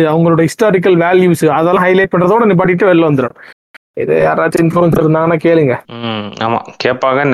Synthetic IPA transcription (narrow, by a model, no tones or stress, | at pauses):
ɐʋɐŋɡɐɭoːɽɐhɪsʈoːɾɪk̬ːɐlʋaːljuːsɯɐðɐlːãɦɐɪlɐɪʈ̚pɐɳɾɐðɐkːuːɽɐniːp̬aːʈːɪʈːɯʋɛɾlːõʋɐnd̪ɯɾo̰ːɳʊ̃ | ɪ̰ðḛja̰ːɾaːt͡ʃːɐɪnfoːɾʋɛnsɪɾɯnd̪aːŋɡɐnːãːkeːliŋɡɐa̰ːma̰ːkeːpːaːɣɐn